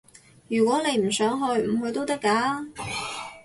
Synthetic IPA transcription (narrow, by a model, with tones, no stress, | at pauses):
jyː˨˩kwɔː˨˥ne˨˧jm̩˨˩sœː˨˥ŋɦɵ˧ɥm̩˨˩ɦɵ˧ɥt̪o˥wt̪ɐ˥kːaː˨˥